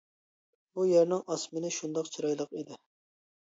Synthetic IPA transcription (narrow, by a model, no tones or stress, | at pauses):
bujeɾnɪŋɑsmɪnɪʃund̪ɑqt͡ʃʰiɾɑjlˠəqid̪ɪ